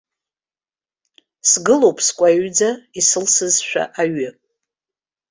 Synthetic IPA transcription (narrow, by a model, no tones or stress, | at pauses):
sɡɨlowpʼskʷʼaɥd͡zaisɨlsɨzʃᶣa̰ʔaɥɨ